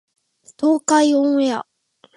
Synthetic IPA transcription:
t̪oːkaiõŋja

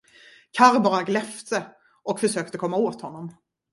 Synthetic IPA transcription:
kʰaɾbɑːɾaɡlɛft̪ə | ʔɔkfœʂøːk̚t̪əkʰɔmːaoːt̪hɔnːɔm

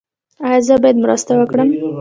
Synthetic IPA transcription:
ajɑzəbɑjad̪mɾə̰st̪awəkɽəm

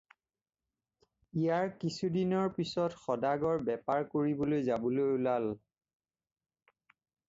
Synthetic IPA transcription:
ijaɹkisudinɔɹpisɔtxɔdaɡɔɹbɛpaɹkoɹibolojzabɔlojulal

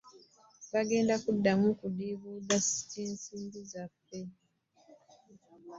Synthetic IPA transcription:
βaɡe̞ːndakudːamukudiβudasi̥tinsiːndizapːe

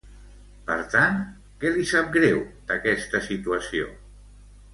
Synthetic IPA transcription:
pə̰ɾt̪an | kɛlisap̚ɡɾɛwd̪əkɛst̪əsit̪uəsio̰

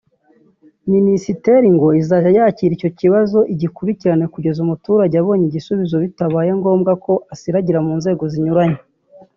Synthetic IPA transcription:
minisite̞ɾiŋɡo̞izaʒajaciːɾico̞ciβazo̞ʔiɟikuɾiciɾane̞kuɟe̞zumutuɾaɟaβo̞ːɲiɟisuβizo̞βitaβaːje̞ŋɡo̞ːmɡako̞ʔasiɾaɟiɾamuːnze̞ːɡo̞ziɲuɾaɲe

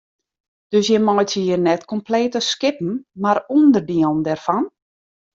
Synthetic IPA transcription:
d̥øsjɛmɔjtiːərnɛtkɔmpleːtəskɪpn̩maɾundərdiəlˠndɛrfɔn

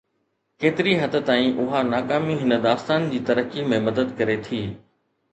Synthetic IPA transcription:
keːt̪ɪɾiɦɐt̪ə̆t̪aːĩʔʊɦanaːkaːmiɦɪnəd̪aːst̪aːnd͡ʑiːt̪ɐɾəkimẽmɐd̪əd̪kɐɾet̪ʰiː

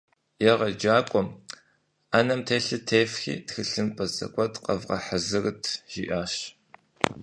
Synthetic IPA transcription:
jɛʁɐd͡ʒaːkʷʼɔm | aːnɐmtʰeːɬɨtʰeːfxḭːtxɨɬɨnpʼɐzɐ̰kʷʼɔtqɐvʁɐ̰ħəzɨrɨtʰʒ̥ḭʔaːʃ

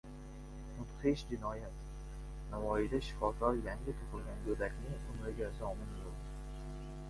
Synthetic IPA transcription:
mʊt̪χɪʃd͡ʒɪnɒjat̪ | navɒjɪd̪aʃɪ̥kʰɒkʲʰɒɾjaŋɡʲɪt̪ʰoqɨlˠɡʲanɡɵd̪akʲnɪŋʊnoɡʲasɪɒmɪnjold̪ɪ

